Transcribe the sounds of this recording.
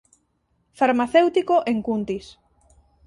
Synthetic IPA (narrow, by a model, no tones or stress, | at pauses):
faɾmaθewt̪ikoʔeŋkunt̪is